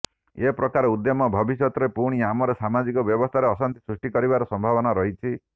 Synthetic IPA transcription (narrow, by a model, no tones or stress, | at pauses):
epɾɔkaɾeud̪jɔmɔbʱɔbisɔt̪ɔɾepuɽ̃iamɔɾesamad͡ʒikɔbjɔbɔst̪ʰaɾeɔsant̪i̥sɾusʈikɔɾibaɾɔsɔmbʱaβɔnaɾɔɦit͡ʃʰi